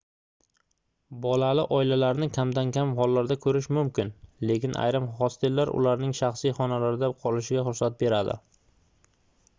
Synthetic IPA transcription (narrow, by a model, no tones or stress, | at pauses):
bɒlalɪʔɒɪlalaɾnɪkʲʰamd̪ankʲʰamhɒlːaɾd̪akʰɵɾɪʃmʊmkʲɪnle̞kʲɪnʔa̰jɾɪmχɒst̪ɪllːaɾʔʊ̰laɾnɪŋʃaχsijχɒnalaɾɪd̪aqʰɒlɪʃɪɡʲaχʊɾsat̪̚be̞ɾad̪ɪ̰